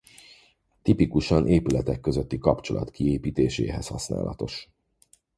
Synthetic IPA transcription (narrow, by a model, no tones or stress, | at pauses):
t̪ipikuʃɒnʔeːpylɛt̪ɛkːøzøt̪ːikɒpt͡ʃo̞lɒ̰t̪kieːpiːt̪eːʃḛːɦɛshɒsna̰ːlʔɒt̪o̞ʃ